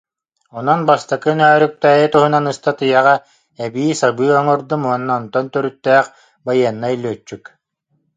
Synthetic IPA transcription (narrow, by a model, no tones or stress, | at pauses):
ɔnɔnbast̪akɯnœːɾyk̚t̪ɛːjɯt̪uɦunanɯst̪at̪ɯjaʁa | ɛbiːsabɯːɔŋɔɾd̪ɯmuɔnːaɔnt̪ɔnt̪œɾyt̪ːɛːχ | bajɯɐnːailʲːyːt͡ʃːyk